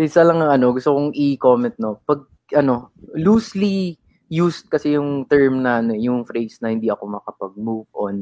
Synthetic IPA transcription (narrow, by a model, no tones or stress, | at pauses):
ʔɪsɐlɐŋɐŋɐno̞ɡʊst̪okoŋʔɪko̞ːmɛnt̪̚no̞pɐɡ̚ | ʔɐno̞luːsli | juːst̪̚kɐsɛjʊŋt̪ɛɹmnɐʔɐnoɛjʊŋfɾejsnɐhɪnd̪iʔɐko̞mɐkɐpɐɡ̚muːvʔon